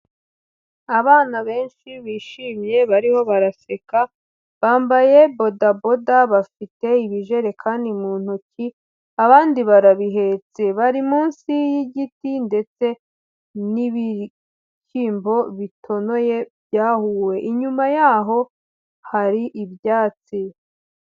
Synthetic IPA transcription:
aβaːnaβe̞ːnʃiβiːʃiːmje̞βaɾiho̞βaɾase̞ka | βaːmbaje̞bo̞dabo̞daβafite̞iβiʒe̞ɾe̞kʰaːndimuːn̥huci | aβaːndiβaɾaβiɦe̞t͡se̞βaɾimuːnsijiɟitinde̞t͡se̞ | niβi | ciːmbo̞βitʰo̞no̞je̞bjaːhuːwe̞ʔiɲumajaːɦo̞ | haɾiʔibjaːt͡si

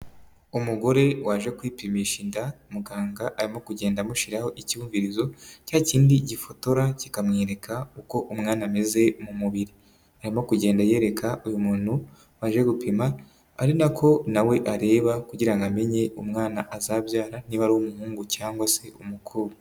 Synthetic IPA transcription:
umuɡo̞ɾe̞waʒe̞kwiːpimiʃindamuɡaːŋɡaʔaɾimo̞kuɟe̞ːndamuʃiɾaho̞ʔiciuːɱviɾizo̞caːciːndiɟifo̞to̞ɾaci̥kamŋeːɾe̞kʰauko̞ʔumŋaːname̞ze̞mumuβiɾi | aɾimo̞kuɟe̞ːndaje̞ːɾe̞kʰaujumuːnhu | waʒe̞ɡupʰimaː | ɾinakʰo̞nawe̞ʔaɾe̞ːβakuɟiɾaŋɡame̞ɲe̞umŋaːnaʔazabjaːɾaniβaɾuomuhuːŋɡucaːŋɡwase̞umukʰuβu

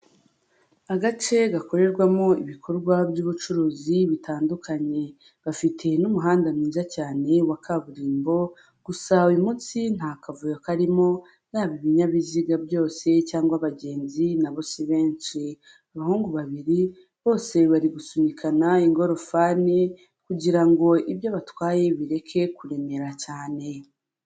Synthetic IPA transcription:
aɡat͡ʃe̞ɡako̞ɾe̞ɾɡwamoiβikʰo̞ɾɡwabjuːβut͡ʃuɾuːziβitaːndukʰaɲe̞ | βafitʰe̞numuɦaːndamiːzacaːne̞wakʰaβuɾiːmbo̞ | ɡ̥usawimut͡sin̥haːkavujakaɾimo̞ | naːβiβiɲaβiziɡabjo̞ːse̞caːŋɡwaβaɟe̞ːnzinaβo̞siβe̞ːnt͡ʃi | aβahuːŋɡuβaβiɾi | βo̞ːse̞βaɾiɡusumikʰanaiŋɡo̞ɾo̞faːni | kuɟiɾaŋɡo̞iβjaβatwaːje̞βiɾe̞kʰe̞kuɾe̞me̞ɾacaːne̞

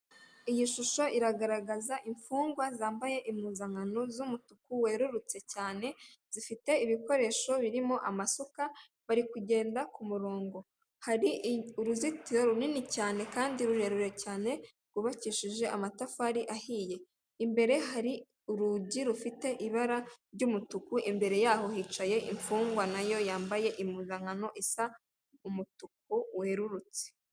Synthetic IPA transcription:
ijiʃuʃo̞ʔiɾaɡaɾaɡazaʔiɱfuːŋɡwazaːmbaje̞ʔimuːzaŋano̞zumutukuwe̞ɾuɾut͡se̞caːne̞z̥ifite̞iβiko̞ɾe̞ːʃo̞βiɾimo̞ʔamasuka | βaɾikuɟe̞ːndakumuɾoːŋɡo̞ | haɾiuɾuzitiɾoɾuninicaːne̞kaːndiɾuɾe̞ɾuɾe̞caːne̞ | ɡ̥uβaciːʃiʒe̞ʔamatafaːɾiʔahiːje̞ | imbe̞ɾe̞ɦaɾi | uɾuɟiɾufite̞ʔiβaɾaɾɟumutukuʔimbe̞ɾe̞jaːho̞hiːt͡ʃaje̞ʔḭɱfuːŋɡwanajo̞jaːmbaje̞ʔimuzaŋano̞ʔisa | umutuk̚uweɾuɾut͡si̥

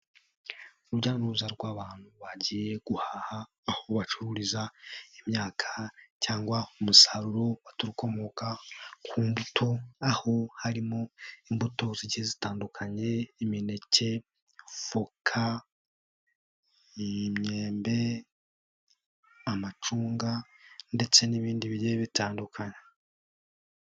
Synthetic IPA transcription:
uɾuɟaːnoɾuzaɾɡwaːβaːn̥huβaɟije̞ɡ̥uhahaː | ho̞βat͡ʃuɾuɾizaimɲaːkʰḁcaːŋɡwaumusaɾuɾo̞βatuɾuko̞mo̞kakʰuːmbutʰo̞aho̞haɾimo̞imbuto̞ziɟizitaːndukʰaɲe̞ːmine̞ce̞ | fokʰa | imɲe̞ːmbe̞ | amat͡ʃuːŋɡande̞t͡se̞niβiːndiβieβitaːndukʰaɲe

